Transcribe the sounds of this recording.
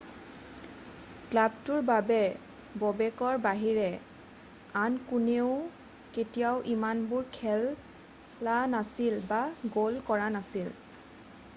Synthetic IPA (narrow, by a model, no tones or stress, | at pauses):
klabtʊɹbabɛ | bɔbɛkɔɹbaɦiɹɛ | ankuneʊ | ketijawʔimanbʊɹkʰɛlː | anasilbaɡolkɔɹanasil